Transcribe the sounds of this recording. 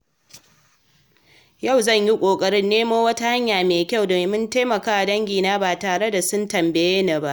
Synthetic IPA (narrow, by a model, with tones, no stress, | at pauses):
jɐ˦˨wzɐ˦˨ɲji˦kʷʼoː˨kʼɐ˦ɽɪ˦nːeː˦moː˦wɐ˦ta˦ha˦ɲjaː˨meː˨kʲa˦˨wdoː˨meː˨mʊ˦ntaː˦mɐ˨kaː˦wa˨dɐ˦ŋɡʲiː˨naː˦baː˨taː˨ɽe˦da˨sʊ˦ntɐ˨mbe˨jeː˦na˨ba˦ʔ